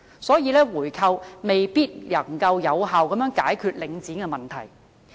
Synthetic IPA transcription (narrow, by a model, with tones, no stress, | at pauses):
sɔː˨˥jiː˨˧lɛː˥wuː˨˩jkʰɐ˧wme˨jpiː˥t̚lɐ˨˩ŋkɐ˧wjɐ˨˧wɦaː˨wkɐ˨˧mjœː˨˥ŋkaː˨˥jkʰyː˧t̚lɪ˨˥ŋt͡siː˨˥nkɛ˧mɐ˨˩nt̪ʰɐ˨˩j